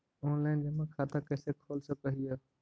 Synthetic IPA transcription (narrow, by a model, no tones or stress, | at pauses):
oːnlaːɪnd͡ʑeːmãkʰaːt̪akɐːsekʰoːlsə̃pɐɦijaː